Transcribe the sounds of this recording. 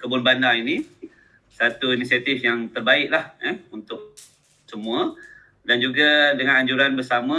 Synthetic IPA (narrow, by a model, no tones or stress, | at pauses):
kəbʊnbandaini | sat̪uinisiat̪ifjaŋt̪ərbaɪʔlahɛunt̪ʊʔ̚ | səmũa | dand͡ʒuɡadəŋãnaɲd͡ʒuɾanbərsamã